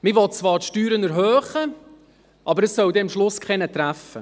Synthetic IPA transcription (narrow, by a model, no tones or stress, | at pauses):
mɪʋɔt̚t͡svʋɑːɾtʃtyːɾənɛɾɦœːχə | ʔɑbəɾəssœwd̪ɛɑmʃlʊskχɛnət̪ɾæfə